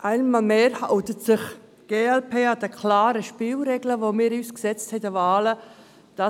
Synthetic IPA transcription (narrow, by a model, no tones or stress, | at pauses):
ʔaɪnmɑːlmeːɾhaʊtətsɪχ | ɡ̥eːɛlpʰeːhɑdəkʰlaːɾəʃpiːlɾɛɡləʋomiːɾyːsksɛt͡sthɛtəvaːlə | d̥ɑ